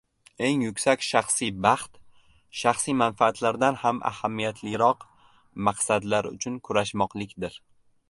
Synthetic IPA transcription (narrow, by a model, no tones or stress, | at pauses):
e̞ŋjʊkʲsakʲʃaχsibɑχt̪ | ʃaχsijmanfaːt̪ʰlaɾd̪anhamʔa̰hamːijat̪ʰlɪɾɒq | maqsad̪laɾʊ̰t͡ʃʰʊnkʰʊɾaʃmɒqlˠɪkʲd̪ɪɾ